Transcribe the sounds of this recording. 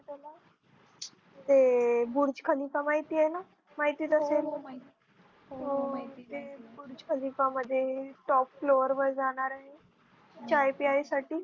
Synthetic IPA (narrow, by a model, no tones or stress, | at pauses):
t̪ala | t̪ebuɾd͡ʑkʰəlikamaɦit̪iːaena | maɦit̪iːt̪əsel | ɦot̪ebuɾd͡ʑkʰəlikaməd̪ʱːjeʈɔpfloʋəɾʋəɾd͡zaɽ̃aɾaɦe | t͡ɕajpiajsaʈiː